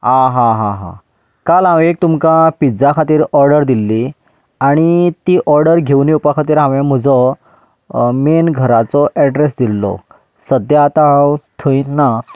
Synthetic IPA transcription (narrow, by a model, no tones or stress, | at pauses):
ãɦãɦãɦã̰ | kalãwek̚t̪umkãpid͡zakʰat̪iːɾɔɾɖəɾd̪ilːi | aɽ̃it̪iːʔɔɾɖəɾɡʱewniupakʰat̪iːɾɦãʋãm̤əd͡zɔ | menɡʱəɾat͡sɔʔɛɖɾesd̪ilːɔ̰ | səd̪jat̪awt̪ʰəinnːa